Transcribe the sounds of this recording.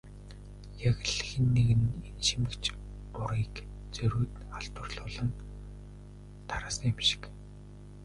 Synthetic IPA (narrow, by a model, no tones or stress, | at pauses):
jaɣ̆ɮxĭnːeɣɘ̆nenʃimɘ̆kt͡ɕ | ʊɾiːk | t͡sɵɾuːt̪aɬt̪ʊ̆rɮʊːɮə̆n | t̪ʰaɾaːsəŋemʃɪ̥k